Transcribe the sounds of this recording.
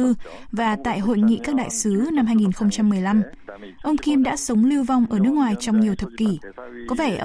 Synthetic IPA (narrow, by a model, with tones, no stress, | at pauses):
ɨ˧ | vaː˨˩t̪a̰ː˧˨jɦo̰˧˨jŋḭ˧˨ʔkaː˦˥k̚ɗa̰ː˧˨jsɨ˨˦na˧mhɦaː˧jŋi˨˩nxə˧wŋ͡mt͡ɕa˧mːɨ˨˩əjla˧m | ʔə˧wŋ͡mki˧mɗa̰ː˧˥sə˨˦wŋ͡mli˧wva˧wŋ͡mʔəː˧˩nɨ˦˥ək̚ŋwaː˨˩jt͡ɕɔ˧wŋ͡mɲi˨˩əwt̪ʰə˨˩p̚ki˧˩kɔ˨˦vɛ˧˩ʔ